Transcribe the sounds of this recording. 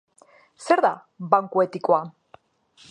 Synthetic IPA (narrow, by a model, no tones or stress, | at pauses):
se̞ɾða | baŋkue̞t̪ikoa